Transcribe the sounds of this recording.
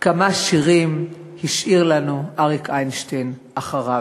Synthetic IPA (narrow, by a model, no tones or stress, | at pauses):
kamaʃiʁim | hiʃʔiʁlanuʔaʁikʰajnʃtejnʔaχaʁa